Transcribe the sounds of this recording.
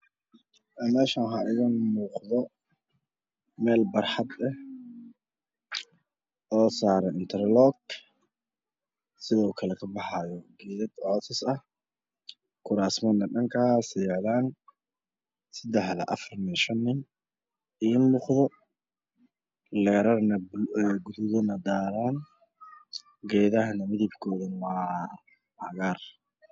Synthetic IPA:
ʔɛmɛːʃaːnɦaʔɪðɪnmuːqðɔ | mɛːlbɑrħɑd̪ɛh | ʔɔːsaːɾɛɪnt̪ʰɛrlɔɡ | sɪðɔːuːkʰɐlɛkʰɐbɑħɑjɔɡɛːðɐd̪ʕɔːsʰɪsɐh | kʰʊɾaːsmɐnɐɖɐŋkʰasɪːʕðaːn | sɐd̪ɛħðɐ̰ʔɐ̰fɐrniʃɐnːɪn | iːnmuːqðɔ | lɛːɾɐrnɐɛɡʊðʊðɔnɐd̪aːɾaːn | ɡɛːðɐɦɐnɐmɪðɪbkʰɔːðɐnwɑː | hɐɣaːr

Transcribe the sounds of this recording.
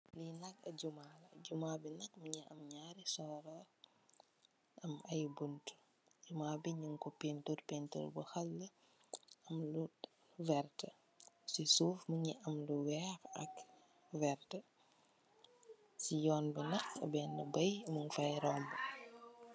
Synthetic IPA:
linɐkɐɟumaːlɐɟumaːbinɐk̚məɲiʔɐ̰mɲaːɾisɔːɾɔ | ɐmɐjbuntu̥ | ɟumaːbiɲuŋkɔpenturpentṵrbɐxɐlːə | ɐmlu | vɛrtə | sisuːfməɲiʔɐmluwɛːxɐ̰k | vɛrtə | sijɔːnbɛnɐkɐ̰bɛːnəbɐjməŋfɐjɾɔːmbə

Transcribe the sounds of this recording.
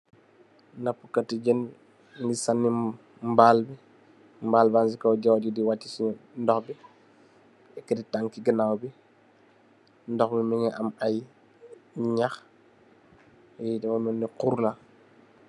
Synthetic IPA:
napːukɐtiɟən | ŋɡisanːi | mbalbi | mbaːlbansikɐwɟawɟudiwatːisindɔxbi | ɛkːəditaŋkiɡənawbi | ndɔxbimiŋɛʔɐmaj | ɲax | jidɛfɔmuniquɾla

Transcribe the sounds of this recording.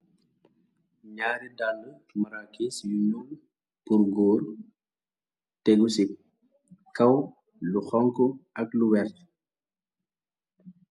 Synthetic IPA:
ɲaːɾidalːətumɐɾakːɛsijunɔŋ | puɾɡɔːl | tɛɡusi | kɐw | luxɔŋkɔɐkluwɛrt

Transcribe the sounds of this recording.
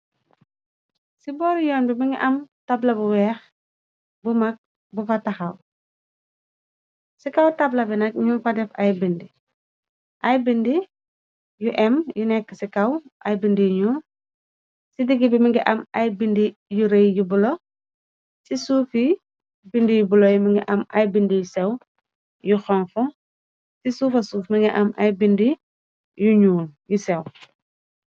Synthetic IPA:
sibɔːɾjɔːnbimiŋɡiʔɐmtablɐbuwɛːx | bumɐk̚ | bufatɐxɐw | sikɐwtablɐbinɐk̚ɲumfɐdɛfɐjbindi | ʔɐjbindi | juʔɛmjunɛkːəsikɐwʔɐ̰jbindijɲu | sidiɡibimiŋɡɛʔɐmɐjbindijuɾejjubulɔ | sisuːfi | bindijubulɔjumiŋɡɛʔɐmɐjbindijusɛw | juxɔnfɔ | sisuːfɐsuːfmiŋɡɛʔɐmʔɐjbindi | juɲuːnjusɛw

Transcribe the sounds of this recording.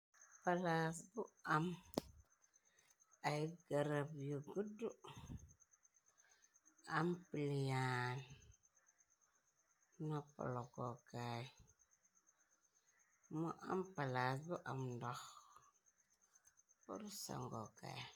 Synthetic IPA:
palasbuam | ajiɡaɾabjuɡudu | ampiljan | napɔ̰lɔkɔka | mɔʔa̰mpalasbuʔamdɔx | pṵɾusa̰ŋɡɔka̰

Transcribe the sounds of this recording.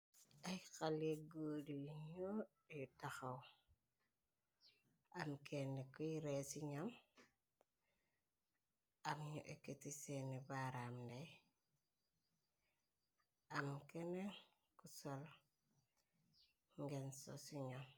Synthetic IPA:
ajkaleɡodiɲo | itaxaw | amkʰenekuiɾesiɲam | amɲo̰ʔeketisenibaɾamdej | amkenen | kusol | ŋɡenso̰siɲam

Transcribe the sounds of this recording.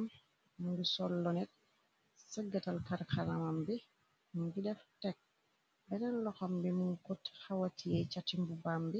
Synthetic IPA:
m | muŋɡisɔlːɔnɛt̚ | saɡːatalkaɾkʰalamambɛ | muŋɡidɛftɛk̚ | bɛnanlɔxɔmbɛmuŋkɔthawatʰijɛt͡ʃatimbubambɛ

